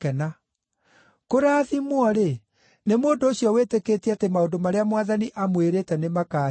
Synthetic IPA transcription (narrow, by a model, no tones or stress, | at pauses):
kɛna | koɾaːðimwɔɾe | nemoːndoːsjɔwetekeːtiatemaondomaɾeamwaðaniʔamweɾetɛnemakaː